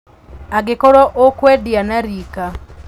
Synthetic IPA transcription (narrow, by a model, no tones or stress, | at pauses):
aɡɪkoɾoʔokwɛdɪanaɾika